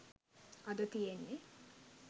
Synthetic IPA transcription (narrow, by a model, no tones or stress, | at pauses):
ɐd̪ət̪ijenːe